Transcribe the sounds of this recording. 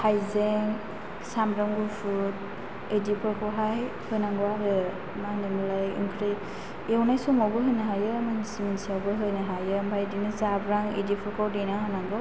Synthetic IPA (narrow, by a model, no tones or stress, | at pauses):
hajzeŋ | samɾɔŋɡufʰut̚ | edipʰɯɾkʰɔwɦaj | hɯjnaŋɡɔwaɾɯ | manimulajɯ̰ŋkʰɾi | ewnajsɔmɔbɯɦɯjnɯɦajɯmansiminsiawbɯɦɯjnɯɦajɯmbʰʱajdinɯzabɾaŋḛdipʰɔɾkʰɔwdinaɦanaŋɡɔ